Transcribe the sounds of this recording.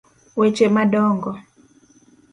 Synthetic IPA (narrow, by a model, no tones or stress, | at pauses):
wet͡ʃemadɔŋɡɔ